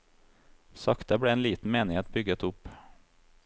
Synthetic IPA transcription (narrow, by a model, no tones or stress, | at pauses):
sɑkt̪əbɽɛeːnliːt̪n̩meːnɪheːt̪̚bʏɡət̪ʊpː